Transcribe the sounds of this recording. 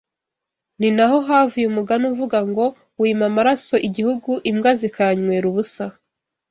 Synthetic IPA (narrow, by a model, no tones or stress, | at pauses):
ninaɦo̞ɦavujumuɡanuvuɡaŋɡo̞ | wimamaɾaso̞ʔiɟihuɡuʔimɡazikaɲweɾuβusa